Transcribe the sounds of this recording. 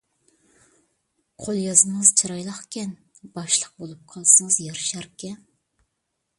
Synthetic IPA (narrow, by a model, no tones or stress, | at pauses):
qʰolˠjɑzɴɨz̥t͡ʃʰiɾɑjlˠɑχkʲʰɛn | b̥ɑʃlˠəq̚bolˠup̚qʰɑlˠsɨŋəzjɑɾʃɑɾkʲʰɛn